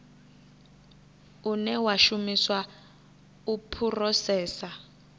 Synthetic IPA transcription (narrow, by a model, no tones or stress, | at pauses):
unɛwaʃumiswa | upʰurɔsɛːsa